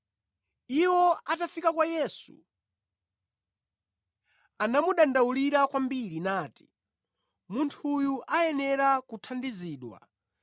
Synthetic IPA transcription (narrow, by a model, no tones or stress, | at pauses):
iwɔatafikakwajɛːsṵ | anamuɗandauliɾakwambiɾinaːti̥ | muntʰujuʔajɛnɛɾakutʰandiziːɗwa̰